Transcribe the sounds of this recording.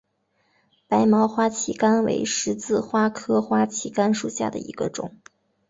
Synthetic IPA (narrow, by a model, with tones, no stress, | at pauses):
pa˧˥ɪmɑ˧˥ʊxwa˥t͡ɕʰi˧˥ka˥nwḛ˧˥ɪʂɻ̩˧˥t͡sɹ̩˥˩xwa˥kʰɤ˥xwa˥t͡ɕʰi˧˥ka˥nʂu˨˩ɕja̰˥˩d̪ə̰˩ḭ˧˥ɡ̥ə̰˧ʈ͡ʂʊ̰˨˩˦ŋ